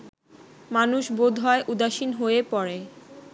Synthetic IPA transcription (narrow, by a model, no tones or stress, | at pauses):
manuʃbod̪ʱɦɔeʔud̪aʃinɦoepɔɾe